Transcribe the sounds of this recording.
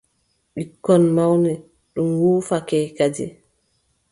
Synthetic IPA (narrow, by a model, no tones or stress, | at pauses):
ɓikːɔnmawnɛ | ɗumwuːfakɛːkad͡ʒɛ̰